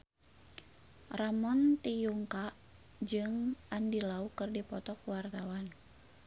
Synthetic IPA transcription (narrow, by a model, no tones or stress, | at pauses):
ramɔnt̪ijuŋkaʔ | d͡ʒɨŋʔandilaukɨrdipɔt̪ɔkuwart̪awan